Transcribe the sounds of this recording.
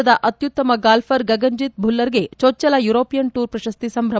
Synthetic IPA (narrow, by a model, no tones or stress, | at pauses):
ɐd̪ɐʔɐt̪jut̪ːɐmɐɡaːlfʰɐɾɡɐɡɐɲd͡ʒit̪̚bʱulːɐɾɡe̞t͡ʃoːt͡ʃːɐlɐjuɾoːpijɐnʈuːɾpɾɐʃɐst̪isɐmɾɐ